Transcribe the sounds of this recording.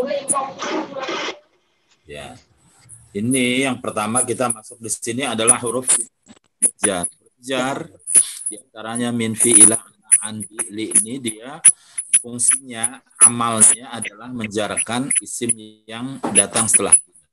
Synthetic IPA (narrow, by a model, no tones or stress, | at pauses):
ja̰ | inijaŋpərt̪amak̬it̪amasʊk̚disiniadalahɦuɾʊfkit̪a | bəd͡ʒanləd͡ʒardiant̪aɾaɲaminfiːlaanaanbiliinidiafuŋsiɲaamalɲaːdalahməɲd͡ʒaɾakanisɪmaŋdat̪aŋsə̥t̪əla̰hdia